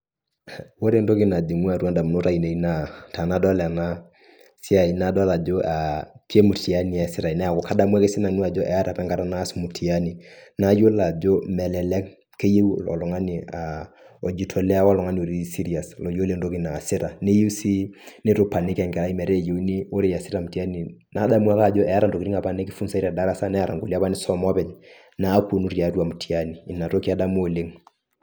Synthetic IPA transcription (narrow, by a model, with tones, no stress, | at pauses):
wo˦ɾe˨ndo˦ki˦na˨d͡ʒi˨ŋu˦a˨ɾwa˦nda˨mu˨no˦ɾa˦i˨ne˨i˦na˨ta˨na˦dɔ˦la˨na˦ | si˦a˨i˨na˦dɔ˦la˨d͡ʒo˦ʔa˨ki˦e˦mu˨tʰi˨a˦ni˨ɛ˨sɪ˦ɾa˨i˨na˦a˨kɔ˨ka˦da˦mwɛ˦ke˦sɪ˦na˨nu˦a˨d͡ʒɔ˦ʔɛ˨a˦ɾa˨pɛ˦ŋɡa˦ɾa˨naː˦smu˨tʰi˨a˦ni˨na˦jo˦la˨d͡ʒo˦mɛ˨lɛ˨lɛ˦k | ke˦je˦wɔ̰˨lɔ˨ŋa˦ni˨a˨ | ɔ˨d͡ʒi˦tʰɔ˨lɛ˦a˦wɔ˦lɔ˨ŋa˦ni˦o˨ɾi˦si˦ɾi˦a˨slɔ˨jo˦le˦ŋdo˦ki˦na˨sɪ˦ɾa˨ne˦je˦si˦ne˦to˦pa˨nɪ˦kɛ˨ŋɡɛ˨ɾa˦i˦mɛ˨ɾe˦˨je˨˦u˦ni˦o˦ɾe˦ja˨sɪ˦ɾa˨mu˨ti˨a˦ni˨na˨˦da˦mu˦a˦ka˦˨d͡ʒɔ˦ɛ˨a˦ɾa˨nto˨ki˨ɾi˦ŋa˨pa˦ne˦ki˦fu˦nsa˦i˦ɾa˨da˦ɾa˦sa˦nɛ˦ja˨ɾa̰˨ŋɡo˨li˦a˦pa˦ni˦sɔ˦mɔ˦pɛ˨ɲ | na˦ku˦˨nu˦ɾja˨tu˦a˨mu˨tʰi˨a˦niː˨na˨to˦ki˦a˦da˦mu˦o˨le˦ŋ